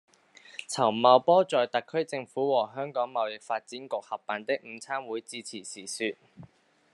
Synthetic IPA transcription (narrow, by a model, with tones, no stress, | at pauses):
t͡sʰɐ˨˩wmɐ˨˧wpɔː˥t͡sɔː˨jt̪ɐ˨kʰːɵ˥ɥt͡sɪ˧ŋfuː˨˥wɔː˨˩ɦœː˥ŋkɔː˨˥ŋmɐ˨wjɪ˨k̚faː˧t̚t͡siː˨˥nkʊ˨k̚hɐ˨pːaː˨nt̪ɪ˥k̚m̩˨˧t͡sʰaː˥mwuː˨˥jt͡siː˧t͡sʰiː˨˩sʰiː˨˩syː˨t̚